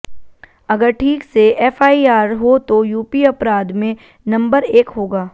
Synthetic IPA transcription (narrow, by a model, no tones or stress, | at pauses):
ɐɡəɾʈʰiːkseɛːfaːiaːɾɦot̪ojuːpiɐpɾaːd̪mẽ | nɐ̃mbəɾeːkɦoːɡaː